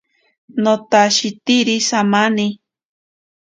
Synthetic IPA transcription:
not̪aʃit̪iɾisamani

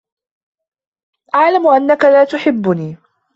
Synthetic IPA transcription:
ʔaʕlamʊʔanːakalaːt̪ʊħɪbːʊniː

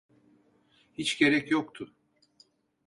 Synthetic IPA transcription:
hit͡ʃɟe̞ɾɛcjokt̪ʰʊ

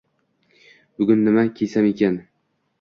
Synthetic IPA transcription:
bʊɡʲʊnːɪmakʲʰesamekʲan

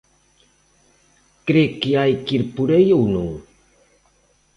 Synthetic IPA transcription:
kɾekiajkiɾpuɾejownuŋ

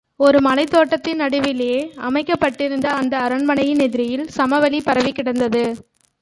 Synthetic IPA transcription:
ɔɾɯmɐnɐɪt̪ːoːʈːɐt̪ːɪnnːɐɽɯʋɪleːɐmɐɪkːɐpːɐʈːɪɾɯnd̪ɐːnd̪ɐːɾɐɳmɐɳɐjɪnɛðɪɾɪjɪlsɐmɐʋɐlipɐɾɐʋɪkːɪɽɐnd̪ɐðɯ

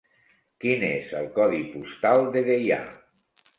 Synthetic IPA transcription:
kinezəlˠkɔðipust̪alˠd̪eðeja̰

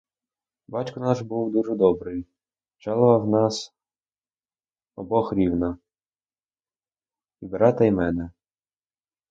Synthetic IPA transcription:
bɑtʲkʊnɑʃbuwd̪uʒɛd̪ɔbɾɪj | t͡ʃɑlˠɔʋɐwnɑs | ɔbɔxɾʲiwnɐ | ibeɾɑt̪ɐimɛnɛ

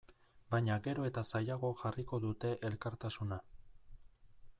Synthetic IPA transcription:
bajɲaɡe̞ɾo̞e̞t̪asajaɣ̞o̞ʝariko̞ðut̪e̞ʔelkaɾt̪asuna

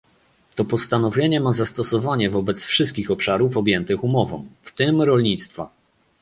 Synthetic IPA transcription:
t̪ɔpɔst̪anɔvʲjeɲɛmazast̪ɔsɔvaɲɛvɔbɛt̪sfʂɘst̪̚kʲixɔpʂaɾufɔbʲjɛnt̪ɘxumɔvɔ̰̃mft̪ɘmɾɔlɲit̪st̪fa̰

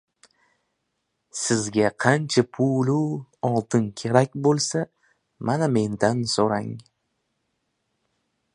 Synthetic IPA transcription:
sɪzɡʲaqʰɑnt͡ʃʰapʰʊluɒlˠd̪ɪnkʲʰe̞ɾakʲbolˠsa | maname̞nd̪ansoɾaŋ

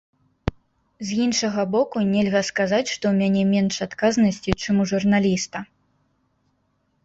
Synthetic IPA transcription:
zʲjinʂɐɣɐbɔkunʲɛlʲɣɐskazat͡sʲʂt̪ɔwmʲanʲɛmʲɛnʂat̪kaznɐsʲt͡sʲit͡ʂɨmuʐurnalʲist̪ɐ

